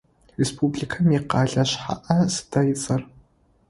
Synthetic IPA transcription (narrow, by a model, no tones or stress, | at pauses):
respʰublikʰɐmiqɑːɮɐɕħa̰ʔɐsɨ̥dɐjɪt͡sʼɐr